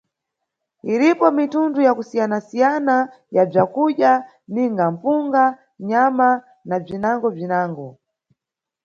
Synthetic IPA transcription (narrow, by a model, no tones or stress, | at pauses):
iɾipɔmitundujakusijanasijana | jab͡ʐakuɗa | niŋɡam̩puŋɡa | ɲama | nab͡ʐinaŋɡɔb͡ʐinaːŋɡɔ